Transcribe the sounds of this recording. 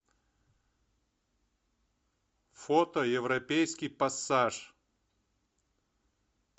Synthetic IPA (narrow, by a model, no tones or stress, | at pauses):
fot̪əjɪvɾɐpʲejskʲijpɐsːaʂ